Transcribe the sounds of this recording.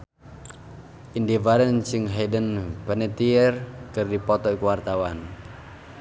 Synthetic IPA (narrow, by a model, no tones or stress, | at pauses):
ʔindevaɾənsɪŋɦedənpənet̪iərkɨrdipɔt̪ɔikuwart̪awan